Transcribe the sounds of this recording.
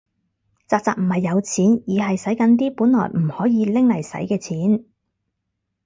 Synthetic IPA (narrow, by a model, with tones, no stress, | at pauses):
t͡saː˨˧k̚t͡saː˨k̚m̩˨˩hɐ˨jːɐ˨˧wt͡sʰiː˨˥njiː˨˧ɦɐ˨jsɐ˨˥jkɐ˨˧nt̪iː˥puː˨˥nlɔ̰ː˨˩jm̩˨˩hɔː˨˥jiː˨˧lɪ˥ŋlɐ˨˩jsɐ̰˨˥jkɛː˧t͡sʰiː˨˥n